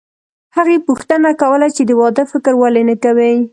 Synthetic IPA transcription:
haɣepuxt̪ənakawəlat͡ʃed̪əwɑd̪əfɪkɾwalenəkawi

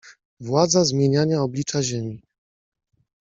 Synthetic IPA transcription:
vwad̪zazmʲjeɲaɲaɔblʲit͡ʂaʑemʲi

